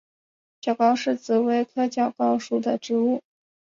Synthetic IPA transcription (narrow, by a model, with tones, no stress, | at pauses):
t͡ɕjɑ˨˩ʊkɑ˥˧ʊʂɻ̩˥˩t͡sɹ̩˧˥we˧˥ɪkʰɤ˥t͡ɕjɑ˨˩ʊkɑ˥ʊʂu˨˩d̪ə˨ʈ͡ʂɻ̩˧˥u˥˩